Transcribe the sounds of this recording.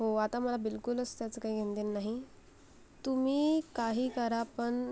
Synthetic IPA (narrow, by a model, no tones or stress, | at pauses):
ɦoat̪aməlabilkuləst̪jat͡səkaɦiːɡʱẽnd̪enːaɦi | t̪um̤iːkaɦiːkəɾapəɳ